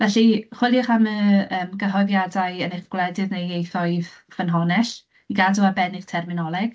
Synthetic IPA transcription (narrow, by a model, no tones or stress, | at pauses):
vɛɬiχwɪlˠjʊχaməəːmɡəɦɔjðjadaɨənɪχɡ̥lˠɛdɪðnejejθɔɨð | vənɦɔnɛɬ | iɡaduabɛnɪɡ̥tʰɛrmɪnɔlˠɛɡ̥